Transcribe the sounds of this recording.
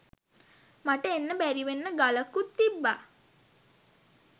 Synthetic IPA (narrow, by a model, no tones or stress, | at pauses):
maʈəenːəbæɾiʋenːəɡaləkut̪ːibːa